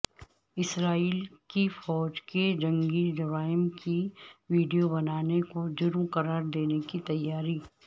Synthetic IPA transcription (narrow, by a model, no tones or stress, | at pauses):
ɪsɾaːiːlkifɔːd͡ʒked͡ʒɐ̃ŋɡid͡ʒʊɾaːɪmkiʋiːɖijobɐnaːnekod͡ʒʊɾmqɐɾaːɾd̪eːnekit̪ɐjːaːɾiː